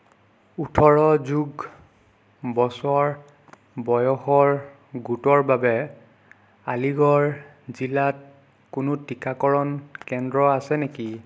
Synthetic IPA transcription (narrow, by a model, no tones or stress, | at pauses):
utʰɔɹɔzuɡ | bɔsɔɹ | bɔjɔxɔɹ | ɡutɔɹbabɛ | aliɡɔɹ | zilat̚ | kʊnʊtikʰakɔɹɔnkɛndɹɔasɛneki